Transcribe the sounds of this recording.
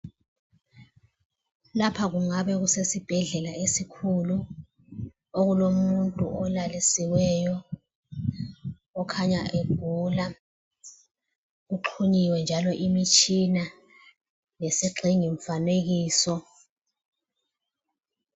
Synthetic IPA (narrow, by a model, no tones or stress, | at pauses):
lapʰaɣuŋaβɛɣusesib̥ʱɛɮɛlaesikʰulu | oɣulomuntʼṵʔɔlalisiwɛjɔ | kʰaɲaʔeɡ̥̚ʱula | ɣuǃʰuɲiwɛnd͡ʒʱalɔʔimit͡ʃʼina | lesiǁʱiŋiɱ̩faneɣiːsɔ